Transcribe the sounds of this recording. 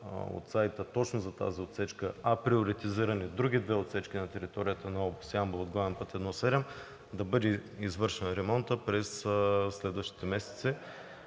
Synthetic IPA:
o̰t̪sajt̪ət̪ɔt͡ʃnʊzɐt̪a̰ziot̪sɛt͡ʃkəɐpɾioɾit̪iziɾɐnid̪ɾuɡ̟ʲid̪vɛot̪sɛt͡ʃkʲinɐt̪ɛɾit̪ɔɾijət̪ənɐɔbosiambˠod̪̚ɡavɛnpɤt̪ɛd̪nɔsɛɾɛm | d̪ɐbɤd̪ɛizvɤɾʃɛnɾɛmɔnt̪əpɾɛsslɛd̪vəʃt̪i̥t̪ɛmɛsɛ̥t̪sɛ

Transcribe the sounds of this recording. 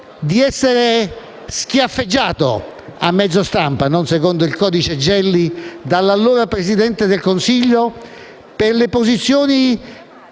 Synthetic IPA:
d̪iɛsːeɾe | sk̟jafːed͡ʒːaːt̪o̰amːɛd̪zːost̪ampanɔnsekɔnd̪ʊilkɔːd̪it͡ʃed͡ʒɛlːid̪alːalːuːɾapɾezid̪ɛnt̪ed̪elkonsiʎːo | pɪɾlepozit̪sːjoːni

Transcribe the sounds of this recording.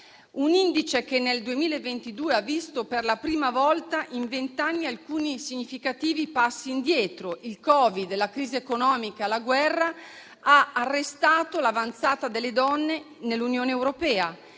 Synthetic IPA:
unind̪it͡ʃek̟enːeld̪uemiːlevːent̪id̪uːeavːist̪operlapɾiːmavɔlt̪aʔiɱvent̪anːialkuːnisiɲːifikat̪iːvipasːiːnd̪jɛːt̪ɾoʔilkɔːvid̪lakɾiːziekonɔːmikalaɡwɛrːa | aarːest̪aːt̪olavant̪saːt̪ad̪elːed̪ɔnːe | nelːunjoːneewɾopɛːa

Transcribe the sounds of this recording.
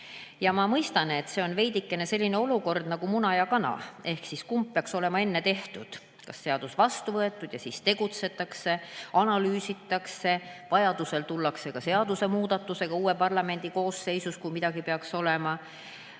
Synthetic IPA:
jɑmɑmɤjst̪ɑne̞t̪ːse̞o̞nve̞jd̪ikːe̞ne̞se̞lʲːine̞o̞luko̞rd̪̥nɑɡ̥umunɑjɑkɑnɑ̰e̞hksiskumpːeɑkso̞le̞mɑe̞nːe̞t̪e̞ht̪ud̪̥ | kɑsːe̞ɑd̪̥usvɑst̪uvɤe̞t̪ːˑud̪̥jɑsist̪e̞ɡ̥ut̪se̞t̪ːˑɑkse̞ɑnɑlyːsit̪ːˑɑkse̞vɑjɑd̪̥use̞lt̪ulːɑkse̞kɑse̞ɑd̪use̞muːd̪̥ɑt̪ːˑuse̞ɡ̥ɑuːe̞pɑrlɑme̞nʲd̪̥iko̞ːsːe̞jsuskujmid̪̥ɑɡ̥ipe̞ɑkso̞le̞mɑ

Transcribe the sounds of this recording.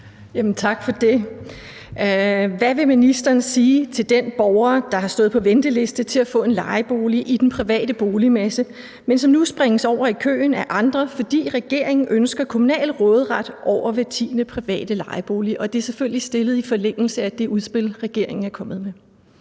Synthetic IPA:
jæmən̩t͡sʰɑ̈ɡ̥fɒ̽d̥e̝ | ʋæʋe̝minisd̥ɐːnsiːt͡sʰe̝ld̥enb̥ɒʊɐd̥ɑ̈hɑ̈sd̥ɔ̽ːð̩ˠpʰɒ̽ʋend̥əle̝sd̥ət͡sʰe̝læfɔ̰̽ːe̝nlɑ̈ɪb̥o̝ːliʔid̥enpʰʁiʋɛ̰ːd̥əb̥o̝ːlimæsə | mensɒ̽mnusb̥ʁeŋəsɒʊ̰ɐikʰø̰ːnæʔɑ̈nd̥ʁɐfɒ̽d̥ḭːʁɛɡ̥e̝ɐ̰e̝ŋn̩ʔønsɡ̥ɐkʰo̝munɛ̰ːlʁɔːð̞ˠʁad̥ʔɒʊ̰ɐʋæt͡sʰḭːnəpʰʁiʋɛ̰ːd̥əlɑ̈ɪəb̥o̝ːliʔɒ̽d̥e̝ɐseføl̰lisd̥e̝lð̩ˠifɒ̽leŋ̰l̩səæd̥e̝ʔuðˠsb̥e̝lʁɛɡ̥e̝ɐ̰eŋn̩æɐkʰɒ̽mð̩ˠme

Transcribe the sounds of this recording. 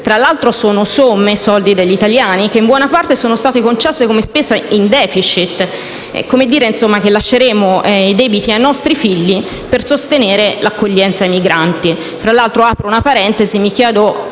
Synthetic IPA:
t̪ɾalːalt̪ɾosoːnosomːesɔld̪id̪eʎːit̪aljaːnik̟eimbwɔnapart̪esoːnost̪aːt̪ekont͡ʃɛsːekomespesaind̪ɛːfit͡ʃit̪ː | ɛ̰komed̪ːiːɾeinsomːak̟elːaʃːeɾeːmoɛid̪ɛːbit̪iajnɔst̪ɾifiʎːi | persost̪eneːɾelakːoʎːɛnt̪saimiɡɾant̪i | t̪ɾalːalt̪ɾoaːpɾounapaɾɛnt̪ezimik̟jɛːd̪o

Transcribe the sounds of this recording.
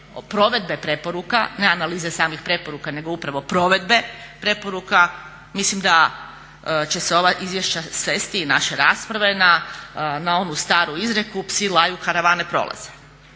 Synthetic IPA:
pɾo̞ʋe̞d̪̚be̞pɾe̞po̞ɾukane̞analiːzesaːmixpɾe̞po̞ɾukane̞ɡoupɾaʋo̞pɾo̞ʋe̞d̪be̞pɾe̞po̞ɾuka | mislimd̪a | t͡ɕe̞seo̞ʋaʔizʋjeʃt͡ɕasʋe̞ːst̪iːnaʃe̞ɾaːspɾaʋe̞nanao̞nust̪aːɾuizɾekupsilˠajukaɾaʋaːnepɾo̞̰lˠa̰z̥e

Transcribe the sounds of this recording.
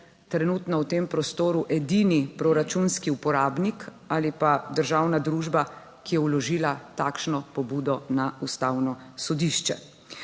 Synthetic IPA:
t̪ɾɛnut̪nɔwt̪eːmpɾɔst̪oːɾuʔɛd̪inipɾɔɾat͡ʃunskiupɔɾaːbnik | aːlipad̪əɾʒaːwnad̪ɾuːʒba | kijɛwlɔʒiːlat̪aːkʃnɔpɔbuːd̪ɔnaust̪aːwnɔsɔd̪iʃt͡ʃɛ̰

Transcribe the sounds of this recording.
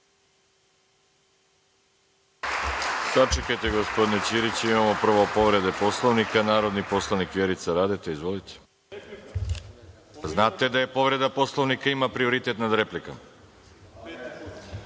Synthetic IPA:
sat͡ʃekajt̪eɡospo̞d̪inet͡ɕiɾit͡ɕimamopr̩ʋopo̞ʋɾe̞d̪epo̞slˠoʋnikanaːɾo̞d̪nipo̞slˠaʋnikʋjeɾit̪saɾaːd̪et̪eizʋolit̪ʰe̥ | znaːt̪ed̪ajepo̞ʋɾe̞d̪apo̞slˠoʋnikaimapɾio̞ɾit̪e̞t̪nad̪ɾeplikam

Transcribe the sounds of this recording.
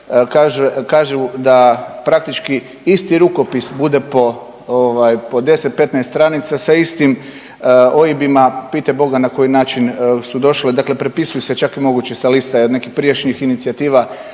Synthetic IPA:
kaːʒukaːʒud̪apɾak̚t̪it͡ʃki | ist̪iɾuko̞pisbud̪e̞po̞ | oʋajpo̞d̪e̞set̪̚pe̞t̪najst̪t̪ɾanit̪sasaist̪im | o̞jibimapiːt̪ebo̞ɡanako̞jinaːt͡ʃinsud̪o̞ʃlid̪akle̞pɾepisujset͡ʃakimo̞ɡut͡ɕesalist̪aiod̪ne̞kixpɾijet͡ʃnixinit̪siat̪iːʋa

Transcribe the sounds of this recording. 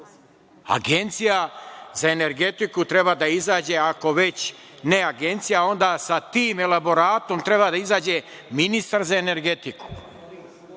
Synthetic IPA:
a̰ɡent̪sijazaene̞ɾɡe̞t̪ikut̪ɾe̞bad̪aizaːd͡ʑeako̞ʋe̞t͡ɕ | ne̞aɡe̞nt̪sijao̞nd̪asat̪iːme̞labo̞ɾaːt̪o̞mt̪ɾe̞bad̪aizaːd͡ʑe | minist̪aɾzaene̞ɾɡe̞t̪iku̥

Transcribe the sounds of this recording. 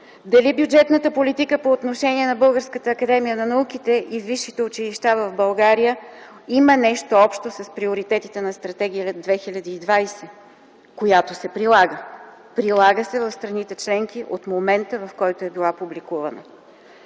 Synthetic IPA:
d̪ɐlibjud͡ʒɛt̪nət̪əpolit̪ikəpoːt̪noʃɛniɛnɐbɤlˠɡəɾskət̪əːkɐd̪ɛmijənɐnɐuk̟it̪ɛʔiviʃːit̪ɛʊt͡ʃiliʃt̪avɐvbɐlˠɡaɾijə | imənɛʃt̪oɔpʃt̪osɐspɾioɾit̪ɛt̪it̪ɛnɐst̪ɾɐt̪ɛɡʲijəld̪vɛxilʲəd̪iːd̪vajsɛ | kojat̪osɛpɾilˠaɡə | pɾilˠaɡəsɛvɐfst̪ɾɐnit̪ɛt͡ʃlɛŋk̟iʔot̪momɛnt̪əvɐfkɔjt̪oɛbilˠapublikuvɐ̰nə̰

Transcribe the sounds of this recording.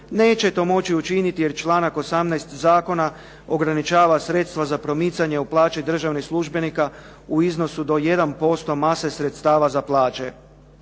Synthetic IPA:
ne̞ːt͡ʃe̞t̪o̞ːmo̞t͡ɕiut͡ʃinit̪ije̞ɾt͡ʃlˠaːnako̞samnajst̪zaːko̞na | o̞ɡɾanit͡ʃaːʋasɾe̞t̪st̪ʋazapɾo̞mit̪saɲe̞uplˠaːt͡ʃid̪r̩ʒaʋnixslˠuʒbe̞nika | uizno̞sud̪o̞je̞d̪anpo̞st̪o̞mase̞sɾet̪st̪aːʋazaplˠaːt͡ʃe̞̰

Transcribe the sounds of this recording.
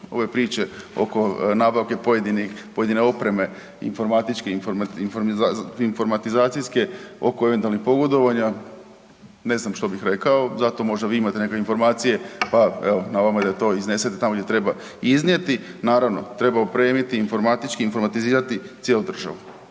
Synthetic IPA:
o̞̰ʋe̞pɾiːt͡ʃe̞o̞̰ko̞naːbaʋke̞poed̪inipo̞je̞d̪ineo̞pɾe̞me̞ | ḭnfo̞ɾmaːt̪it͡ʃkeminfoɾmainfo̞ɾmat̪izaːt̪sijske̞o̞̰koeʋet̪ualnixpo̞ɡo̞d̪o̞ʋaɲa | ne̞znamʃt̪o̞bixɾe̞kaozat̪o̞mo̞ʒd̪aʋiːimat̪enekakeinfo̞ɾmaːt̪sije̞paeonaʋamad̪ajet̪o̞ːizneset̪et̪amoɡd̪ʲjʲet̪ɾe̞ba | iznje̞t̪inaːɾaʋno̞̰t̪ɾe̞baopɾe̞ːmit̪iːnfo̞ɾmat̪it͡ʃkiːnfo̞ɾmat̪iziːɾat̪it̪sjelˠud̪r̩ʒa̰ʋu

